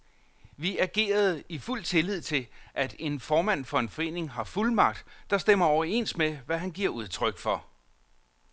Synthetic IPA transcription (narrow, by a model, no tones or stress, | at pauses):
ʋiæɡ̥e̝̰ːɐð̞̩ˠiful̰t͡sʰe̝lið̞̰ˠt͡sʰe̝lʔæd̥e̝nfɒːmæn̰fɒ̽e̝nfɒ̽e̝̰ːne̝ŋɦɑ̈fulmɑ̈ɡ̥̚d̥ːɑ̈sd̥em̰ɐɒʊɐe̝n̰smeʋæɦænɡ̥iɐ̰uð̞ˠt͡sʰʁœɡ̥fɒ̽